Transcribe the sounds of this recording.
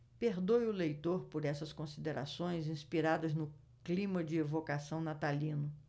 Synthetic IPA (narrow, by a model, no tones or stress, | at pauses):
peɾd̪ojʊlejt̪oɾpoɾɛsɐskõsid̪eɾa̰sõj̃zĩspiɾad̪ɐznʊ | klĩmɐd͡ʒɪevokasɐ̃w̃nat̪alĩnʊ